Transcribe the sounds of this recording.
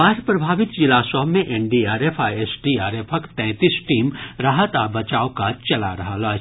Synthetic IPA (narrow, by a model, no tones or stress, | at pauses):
aːɾpɾɐbʱaːʋɪt̪d͡ʒɪlaːsɔːmẽʔeɳɖiaːɾeːfʰaːiesɖiaːɾeːpʰəkt̪ɛ̃ːt̪isʈiːmɾaːɦət̪abɐt͡ʃaːokat͡ʃɐla̰ɾɐɦalaː